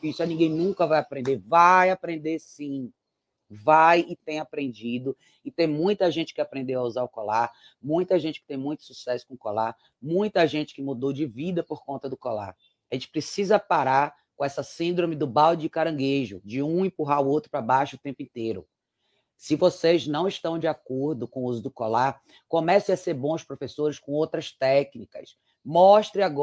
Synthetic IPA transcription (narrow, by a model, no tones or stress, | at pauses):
isanĩɡẽj̃nũkɐvajapɾẽnd̪evajapɾẽnd̪esĩ | vajɪt̪ẽj̃apɾẽnd͡ʒid̪ʊ | ɪt̪ẽj̃mũj̃t̪ɐʒẽnt͡ʃɪ̥kɪapɾẽnd̪ewauzaɾʊkɔlaɾ | mũj̃t̪ɐʒẽnt͡ʃɪ̥kɪ̥t̪ẽj̃mũj̃t̪ʊ̥susɛsʊ̥kõʊkɔla | mũj̃t̪ɐʒẽnt͡ʃɪ̥kɪmud̪owd͡ʒɪvid̪ɐpoɾkõnt̪ɐd̪ʊkɔla̰ | aʒẽnt͡ʃɪpɾesizɐpaɾaɾ | kõɛsɐsĩnd̪ɾõmɪd̪ʊbawd͡ʒd͡ʒɪkaɾɐ̃ɡeʒʊ̰d͡ʒɪũĩpuɦaʊowt̪ɾʊpɾabajʃʊt̪ẽmpʊĩnt̪ejɾʊ̰ | sɪvoseznɐ̃w̃ɪʃt̪ɐ̃w̃d͡ʒɪakoɾd̪ʊkõw̃uzʊd̪ʊkolaɾ | kõmɛsẽj̃aseɾbõʊspɾofesoɾɪskõowt̪ɾɐst̪ɛknikɐ̰s | mɔʃt̪ɾɪaɡɔ